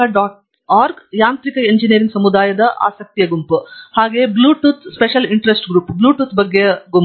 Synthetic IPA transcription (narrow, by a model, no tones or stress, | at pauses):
ɐɖaːʈ | aːɾɡjaːnt̪ɾikɐeɲd͡ʒiniɐɾiŋɡsɐmud̪aːjɐd̪ɐʔa̰ːsɐk̚t̪ijɐɡumphaːɡeːbluːʈuːt̪ʰspeʃɐliɳʈɾesʈɡɾuːpbluːʈuːt̪bɐɡːeɡum